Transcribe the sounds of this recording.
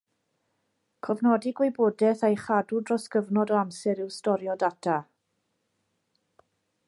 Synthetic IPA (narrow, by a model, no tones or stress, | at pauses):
kʰɔvnɔdɪɡweboːdɛθajχadudrɔskəvnɔdɔamsɛɾɪwstɔɾjɔdatʰa